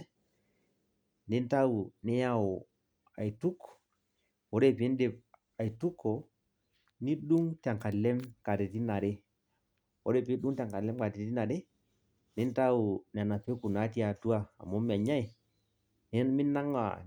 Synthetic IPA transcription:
ni˦n˦ta˦u˨nɛ˦ja˦ɔ˨ | a̰˨i˨tu˦kː | wɔ˨˦ɾe˦˨pi˦nde˨p̚ | a˨i˨tu˦kʰːɔ˨ | ni˦ɗu˦ŋta˨ŋka˨lɛ˦mka˨te˨ti˦na˨ɾe˦ | ɔ̰˦ɾɛ˦pi˦ɗu˦ŋta˨ka˨lɛ˦mka˨te˨˦ti˦na˨ɾe˦ | ni˦n˦ta˦u˨n˨a˨na˨pe˦ku˨na˨˦ti˦a˨tu˦a˦a̰˨mɔ˨˦mi˨a˨ɲa˦i˨ | ni˦mi˦nːa˦ŋa̰˨

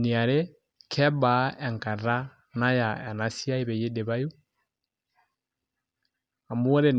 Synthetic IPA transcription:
ni˨a˨ɾe˦ | kʰɛ˦ba˨ɛ˨ŋka˨ɾa˦ | na˦ja˨ɛ˨na˦si˦a˦i˦βɛ˨je˦de˨βa˦ju˦ | a˨mu˦ɔ˦ɾe˦n

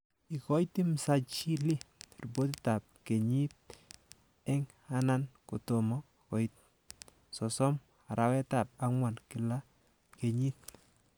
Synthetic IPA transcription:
i˨kɔ˦iti˦msa˦˨t͡ʃi˦li˦ru˨bo˦tɪ˦ta˨p̚ke˨ɲi˦t̚ | ɛ˦ŋ | a˦na˦nko˨to˨mɔ˦ | kɔ˨i˦t̚ | sɔ˨sɔ˦m | a˨ɾa˨wɛ˦ta˨p̚a˦ŋwa˨nkɪ˨la˦ | ke˨ɲi˦t̚

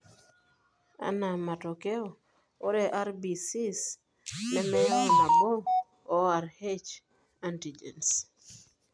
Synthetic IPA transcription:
a̰˨na˨ma˨tɔ˨kɛ˦ɔ˨ | o˦ɾɛ˨ʔa˦ɾbi˨si˦s | nɛ˦mɛ˦ja˦ɔ˨na˨boː˦ | a˨ɾhe˦t͡ʃ | anti˨d͡ʒɛ̰˨ns

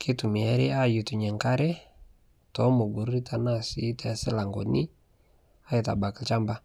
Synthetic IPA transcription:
kɪ˦tʊ˨mɪ˨ɛ˦ɾɪ˦a˦˨ju˨tʊ˨ɲɛ˨ŋka˦ɾɛ˦ | tɔ˨˦mo˨ɡu˨ɾɾi˦tʰa˨na˦˨si˨˦tɛ˨a˨sɪ˦la˨ŋɡɔ˨nɪ˦ | a˦ɪ˨ta̰˨ba˨ki˨t͡ʃa˦mba˦

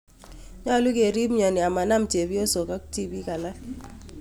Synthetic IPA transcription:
ɲa˦lʊ˦ke˨ɾi˦bɲɔ˨nɪ˨a˨ma˨na˦mt͡ʃe˨bi˦o˦so˨ka˦kti˦bi˦ka˨la˦

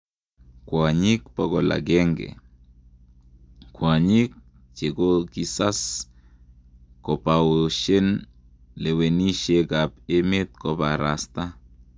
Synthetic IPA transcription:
kwa˨ɲi˦kpɔ˦ɡɔ˨la̰˨ɡɛ˦ŋɡɛ̰˨ | kwa˨ɲi˦k̚ | t͡ʃe˨ɡo˦ki˦sa˦s | kɔ˨pa˨woʃe˦n | le˨we˨ni˦ʃe˦ɡa˨pe˦me˦t̪̚kɔ˨ba˨ɾa˨sta˦

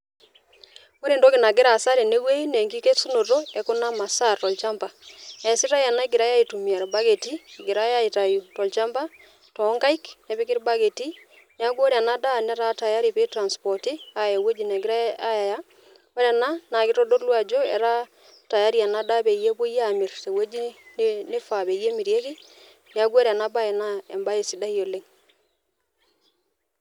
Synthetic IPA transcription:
o˦ɾe˨ndo˦kɪ˨na˨ɡɪ˦ɾa˨sa˦ɾe˨ne˦we˦i˦ne˨ŋɡi˦ke˦su˦no˨to˦ɛ˨ko˦na˦ma˨sa˦˨rtɔ˨lt͡ʃa˦mba˨ɛ˨sɪ˦ɾa˦ja˨na˦ɪ˦ɡɪ˨ɾa˦ja˦i˨tu˨mi˨a˨ɾba˦ɡe˨tiː˦˨ɡɪ˨ɾa˦ja˦i˨ta˨ju˨tɔ˨lt͡ʃa˦mba˦ | tɔ˨˦ŋɡa˦i˦kne˨βɪ˦kɪ˦ɾba˦ɡe˨ti˦ | nɛ˨a˦ɡo˦ɾja˨na˦da˦˨nɛ˦ɾa˦ta˨ja˦ɾi˨pe˦tɾa˨nspɔ˨ti˦a˨e˨we˦d͡ʒi˨ne˨ɡɪ˦ɾa˦a˦ja˨ja˦ | wa˦ɾa˨na˦na˨kɪ˦tɔ˦do˦ɾlwa˨d͡ʒo˦ɛ̰˨ɾa˦ | ta˨ja˦ɾi˨a˨na˦da˦be˨je˦bu˦ja˨mɪ˨ɾte˨we˦d͡ʒi˦nnɪ˦fa˨be˨je˦mi˨ɾje˦ki˦ | ne˨a˦ɡo˦ɾi˨a˨na˦ba˦ɛ˨na˦ɛ˨mba˦e˨si˨da˦jo˨le˦ŋ

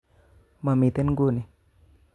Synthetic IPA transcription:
ma˨mi˨t̪e˦nɡu˦˨ni˨

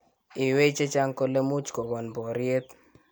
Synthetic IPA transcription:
ɪ˨we˦t͡ʃe˦t͡ʃa˦ŋkɔ˦le˦mʊ˦t͡ʃkɔ˨bɔ˨nbɔ˨ɾje˦t̪

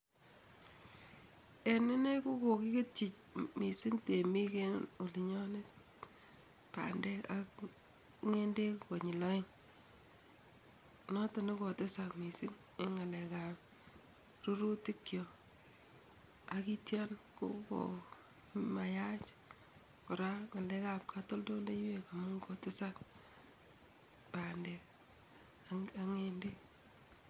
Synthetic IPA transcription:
e˨nɪ˦ne˦ku˦ko˨kɪ˦ke˦t͡ʃi˨t͡ʃ | mi˨sɪ˦ŋte˨mi˦ke˦no˨li˨ɲɔ˦ne˦ | pa̰˨ndɛ˦ka˦k̚ | ŋe˦nde˦kko˨ɲɪ˨lɔ˦i˦ŋ | nɔ˦tɔ˨ni˦ko˨te˦sa˨kmi˨sɪ˦ŋ | e˦ŋa˨lɛ˨ka˨m | ɾu˦ɾu˦ti˦kːjɔ˨ | a˨ki˦tja˦nko̰˦ko̰˨ | ma˨ja˦t͡ʃ | kɔ˨ɾa˦ŋa˨lɛ˦ka˨p̚kʰa˦to˦ldo˦nde˦jwe˨ka˨mʊ˦ŋkɔ˨tɪ˦sa˦k | pa˨nde˨k | a˦ŋe˦nde˦k

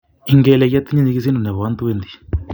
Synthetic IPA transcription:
iŋɡe˦le˧ɣi˦a˦t̪ːi˦ɲa˦ɲi˧ɣis̬i˦ndu˨ne˨βa˦nt̪u˦βend̪i̥

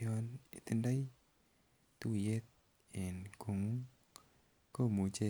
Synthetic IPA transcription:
ɔ˧nḭ˨t̪i˦nda˦j | t̪u˦˨je˦t̪̚ | e˨nkʰo˨ŋu˦ŋ | ko˦˨mu˨t͡ʃe˦˨

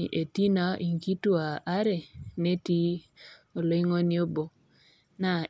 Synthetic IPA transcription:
ʔe˨ti˦na˦ʔi˨ŋki˦tu˦a˨ʔːɾɛ˨ne˦ti˦ | o˨lo˦i˦ŋo˦nɪ˦o˦bo˦ | na˨

